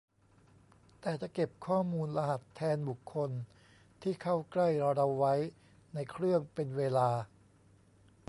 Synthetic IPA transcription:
t̪ɛː˨˩t͡ɕa˨˩ʔke˨˩p̚kʰɔː˥˩muː˧nla˧ɦa˨˩t̪ʰːɛː˧nbu˨˩kʰːo˧n | t̪ʰiː˥˩kʰa˥˩wkla˥˩jɾa˧ɾa˧wːa˦˥j | na˧jkʰɾɯ˥˩əŋpe˧nweː˧laː˧

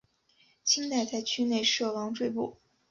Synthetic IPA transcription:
t͡ɕʰi˥ŋt̪a˥˧ɪt͡sa˥˩ɪt͡ɕʰy˥ne˥˧ɪʂɤ˥˩wɑ˧˥ŋʈ͡ʂwe˥˧ɪpu˥˩

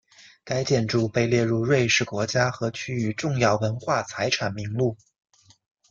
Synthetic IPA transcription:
ka˥ɪt͡ɕjɛ˥˧nʈ͡ʂu˥˧˩pe˥˧ɪljɛ˥˧ɻu˥˧ɻwe˥˧ɪʂɻ̩˥˩kwɔ˧˥t͡ɕja˥xɤ˧˥t͡ɕʰy˥y˧˥ʈ͡ʂʊ˥˧ŋjɑ˥˩ʊwə˧˥nxwa˥˩t͡sʰa˧˥ɪʈ͡ʂʰa˨˩nmi˧˥ŋlu˥˩

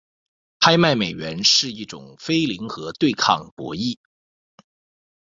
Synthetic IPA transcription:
pʰa˥ɪma˥˩ɪme˨˩ɪɥɛ˧˥nʂɻ̩˥˧i˥˩ʈ͡ʂʊ̰˨˩ŋfe˥ɪli˧˥ŋxɤ˧˥t̪we˥˧ɪkʰɑ̰˥˩ŋpwɔ̰˧˥i˥˩

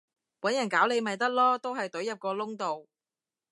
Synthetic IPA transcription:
wɐ˨˥njɐ˨˩nkaː˨˥wle˨˧jmɐ˨jt̪ɐ˥k̚lɔː˥t̪o˥wɦɐ˨jt̪ɵ˨˥jɐ˨p̚kɔː˧lʊ˥ŋt̪o˨w

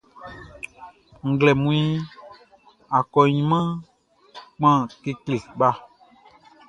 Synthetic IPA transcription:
ŋ̩˨ɡlɛ˨mũ˦i˦ | a˨kɔ˨ɲĩ˨mã˦ | k͡pã˦ke˦kle˨ɓa˦

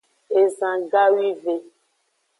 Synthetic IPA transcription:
e˨zã˨ɡa˦wi˦ve˨

